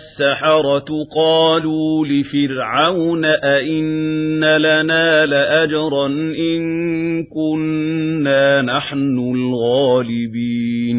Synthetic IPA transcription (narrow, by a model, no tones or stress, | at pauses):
sːaħɑɾˤɑt̪qɑːluːlɪfɪɾʕawnaʔaʔɪnːalanaːlaʔad͡ʒɑɾˤɑnʔɪnkʊnːaːnaħnʊlɣaːlɪbiːn